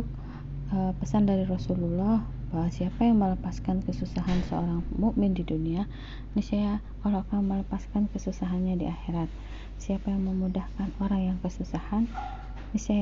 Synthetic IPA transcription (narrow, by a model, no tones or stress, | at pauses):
k̚ | əpəsandaɾiɾɔsululɔh | baɦasiapajaŋmələpaskankəsusaɦansə̰o̰ɾaŋmuʔmɪndidunia | nisaja | kalakamələpaskankəsusaɦanɲadiʔaxeɾat̪̚ | siapajaŋməmudahkanoɾaŋjaŋkəsusahanː | isa